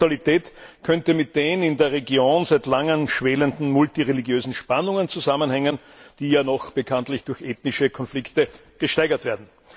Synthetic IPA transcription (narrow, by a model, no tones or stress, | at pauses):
alitʰɛːtkʰœntəmɪt̚d̥eːnənɪndeːɐʁeɡjoːnzæɪtlaŋənʃv̥ɛːləndn̩mʊltiʁeliɡjøːzn̩ʃpanʊŋənt͡suzamənhɛŋən | d̥iːjaːnɔχb̥əkʰantlɪçd̥ʊɐçʔeːtnɪʃəkʰɔnflɪktə | ɡ̥əʃtæɪɡɐtv̥eːɐdn̩